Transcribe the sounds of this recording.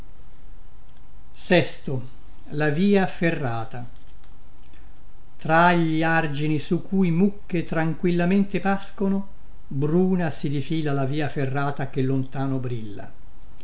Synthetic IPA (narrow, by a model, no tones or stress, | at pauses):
sɛst̪o | laviːaferːaːt̪a | t̪ɾaʎːiard͡ʒinisukːujmukːet̪ɾaŋkwilːament̪epaskono | bɾuːnasid̪ifiːlalaviːaferːaːt̪ak̟elːont̪aːnobɾilːa̰